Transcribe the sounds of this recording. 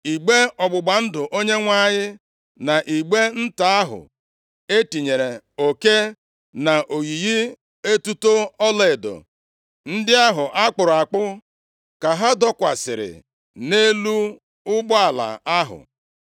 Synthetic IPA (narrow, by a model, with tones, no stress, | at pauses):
i˨ɡ͡be˦ɔ˨ɡ͡bʊ˨ɡ͡ba˨n̩˦dʊ˨ʔo˦ɲe˦ŋʷa˦ɲɪ˦ | na˨ʔi˨ɡ͡be˦n̩˦ta˦a˦ɦʊ̰˨ | e˦ti˨ɲe˨ɾe˨ | o˨ke˦ | na˨ʔo˨ɣi˨ji˦ | e˦tu˦to˦ɔ˦le˨ɪ˨do̰˨ | n̩˦dɪ˦a˦ɦʊ˨ʔa˦k͡pʊ˨ɾʊ˨a˨k͡pʊ˦ | ka˨ɦa˦dɔ˦kʷa̰˨sɪ̰˨ɾɪ̰˨ | ne˦lu˦ | ʊ˦bɔ˦a˨la̰˨a˦ɦʊ̰˨